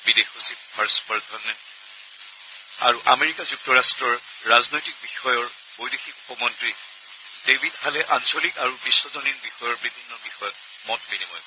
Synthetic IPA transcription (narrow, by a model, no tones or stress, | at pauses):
bidexusibbaɹspɔɹdʱɔɹnɛ | a̰ɹuʔameɹikazuk̚tɔɹastɹɔɹː | aznojtik̚bixɔjɔɹ | bojdexikupɔmɔntɹi | d̥ebʱidhalɛʔansolikaɹubisːɔzɔniɹbixɔjɔɹbibʱinːɔbixɔjɔk̚ | mɔtbenibɔj